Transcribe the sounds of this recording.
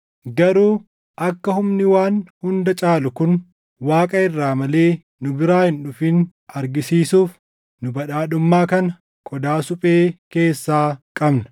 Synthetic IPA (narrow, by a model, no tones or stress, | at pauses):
ɡɐɾuː | ʔɐkːɐhʊmnɪwaːnhʊnd̪ɐt͡ʃʼaːlʊkʊn | waːkʼɐɪrːaːmɐle̞ː | nʊbɪɾaːhɪnᶑʊfɪn | ɐɾɡɪsiːsuːf | nʊbɐᶑaːᶑʊmːaːkɐnɐ | kʼɔd̪aːsʊpʼeːke̞ːsːaːkʼɐbnɐ̥